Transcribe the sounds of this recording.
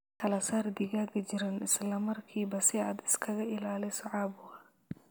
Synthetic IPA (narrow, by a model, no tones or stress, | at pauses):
kʰɐlɐsaːrd̪ɪɣaːɡɐt͡ʃɪɾanʔɪslɐmɐrkʰiːbɐsɪaːd̪ɪ̥skʰɐɣɐʔɪlaːlɛsɐʕɑːbʊɣɐ